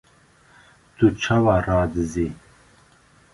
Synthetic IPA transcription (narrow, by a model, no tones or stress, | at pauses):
t̪ut͡ʃʰawaːrɑːd̪ɨzi